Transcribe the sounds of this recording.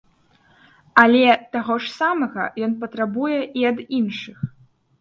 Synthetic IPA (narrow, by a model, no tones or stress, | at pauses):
ɐlʲɛt̪aɣɔʂsamɐɣɐ̰jɔnpɐt̪ɾabujɛʔiɐd̪inʂɨx